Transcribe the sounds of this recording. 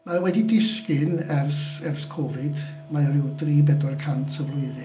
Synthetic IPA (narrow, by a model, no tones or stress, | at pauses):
mawɛdidɪskɪnɛrsɛrskʰɔvɪd | maɔɾɪwdriːbɛdɔrkʰantʰəvlˠʊɨðɨ